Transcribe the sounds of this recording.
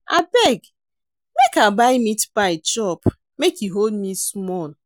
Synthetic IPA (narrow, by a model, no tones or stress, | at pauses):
a̰bɛɡ | mekabaɪmitpaɪt͡ʃɔp | mekiɦoldmismɔl